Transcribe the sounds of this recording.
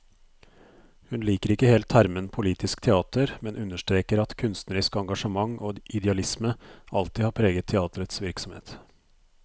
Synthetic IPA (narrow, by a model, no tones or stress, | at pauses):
hʉnliːkəɾɪkːəheːlt̪hæɾmənpʰʊliːt̪ʰɪskt̪ʰɛɑːt̪əɾmɛnʉnːəʂt̪ɾeːkəɾɑt̪kʰʉnst̪nəɾɪskɑŋɡɑʂəmɑŋʔoːʔɪd̪ɛɑlɪsməɑlt̪ɪhɑːɾpʰɾeːɡət̪ʰɛɑːt̪əɾət̪sʋɪɾksɔmhḛːt̪